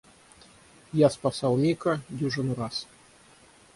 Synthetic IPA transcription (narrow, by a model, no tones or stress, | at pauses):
jaspasɑlˠmʲikɐdʲuʐɨnuɾas